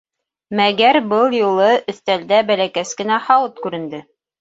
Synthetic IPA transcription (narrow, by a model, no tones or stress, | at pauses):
mæɡæɾbɤlˠjulˠɤʔɵ̆θt̪æld̪æbælækæskɘ̆næhɑwɤt̪kʉɾɘ̆nd̪ɘ